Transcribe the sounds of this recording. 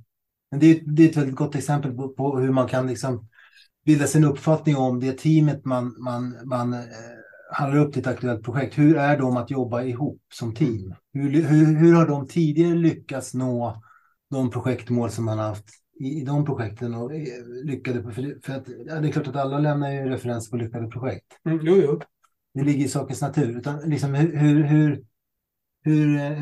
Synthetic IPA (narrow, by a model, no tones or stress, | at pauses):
mɛnd̪ɛjʏɛt̪d̪ɛɛt̪vɛld̪ɪt̪ɡɔt̪ːɛksɛmpəlpɔpʰɔhɵɾmankʰanlɪksɔm | bɪld̪ːasɪnɵpːfat̪nɪŋɔmd̪ɛt̪ʰiːmət̪manmanman | hand̪aɾɵpːd̪ʰɪt̪ak̚t̪ɵɛlt̪̚pʰɾʊɧɛk̚t̪hɵɾæɖɔmat̪jɔbːaɪɦuːpːsɔmt̪ʰiːmhɵlhɵɦɵɾhaɖɔmt̪ʰiːd̪ɪɡaɾəlʏkːat̪snoː | d̪ɔmpʰɾʊɧɛkt̪moːlsɔmhanaɾhaft̪ | ɪːd̪ɔmpʰɾʊɧɛk̚t̪ʰənɔlʏkːad̪əfəɖɛfœɾat̪jːd̪ɛklɑːʈat̪alːalɛmnaɾjɵɾɛfɛɾɛnspʰɔlʏkːad̪əpʰɾʊɧɛk̚t̪ː | d̪ɛlɪɡːəɾɪsɑːkənsnat̪ʰʉ̟ːɾʉ̟ːt̪anlɪksɔmhɵhɵɾɦɵɾ | hɵɾ